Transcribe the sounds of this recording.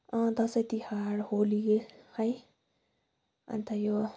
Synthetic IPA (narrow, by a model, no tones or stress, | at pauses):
ʌ̃d̪ʌsʌjt̪ihaɽholihʌj | ʌ̰nt̪ʰajo